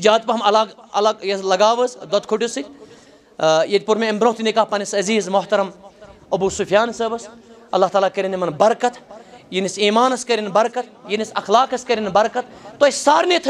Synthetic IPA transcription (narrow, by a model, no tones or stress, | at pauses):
d͡ʒaːt̪̚pɐɦɐmɐlaːɡɐlaɡjɐslɐɡaːʋɐzd̪ɐt̪kʰuʈusɨ | jet̪̚ʲpuɾmeɐmbɾoːt̪inikaːpɐnisɐziːzmʊht̪ɐɾɐm | ɐbuːsufjaːnsɐːbɐs | ɐlːaːɦt̪aːlaːkɐɾʲinimɐnbɐɾkɐt̪ʰjinisiːmaːnɐskɐɾʲinbɐɾkɐt̪̚ʰjinisɐxlaːkɐskɐɾinbɐɾkɐt̪ʰt̪oɐsʲsaːɾnet̪ʰ